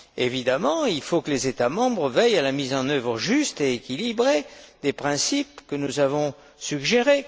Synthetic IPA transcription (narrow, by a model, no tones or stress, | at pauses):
evid̪amɑ̃ilfokəlezet̪amɑ̃bʁəvɛjalamizɑ̃nœvʁəʒyst̪eekʲilibʁed̪epχɛ̃sip̚kənuzavɔ̃ | syɡʒeʁe